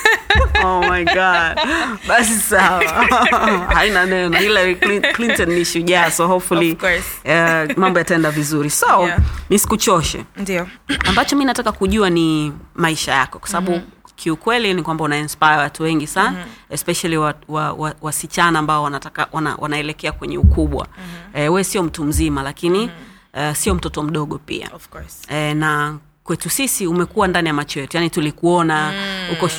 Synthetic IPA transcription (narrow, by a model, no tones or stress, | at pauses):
omajɡadɓasisawaa | hainanɛnɔhilaɾikliklintɔnːiʃuʄasɔhɔfuliamambɔjataɛndavizuɾisɔmisi̥kut͡ʃɔʃɛ̰ndiɔambat͡ʃɔminatakakuʄuanimaiʃajakɔkwasaaɓukʰiukwɛlinikwambaunainspajawatuwɛŋɡisanaɛspɛʃaliwawawawasit͡ʃanaːmbaɔwanataka̰wana̰wa̰naɛlɛkɛakwɛɲɛukuɓwa̰ɛwɛɛsiɔm̩tum̩zimalakini | ɛsiɔm̩tɔtɔm̩ɗɔɠɔpḭa̰fɔɛna | kwɛtusisiumɛkuwandanijamat͡ʃɔjɛtujanitulikuɔnahukɔ